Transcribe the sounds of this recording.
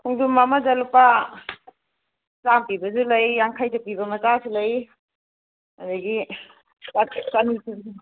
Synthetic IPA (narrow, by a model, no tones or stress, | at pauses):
kʰuŋdumːamazalupa | t͡ʃampibɐzulɐjaŋkʰajtapibɐmɐt͡ʃasilɐj | adaɡi | sasanisi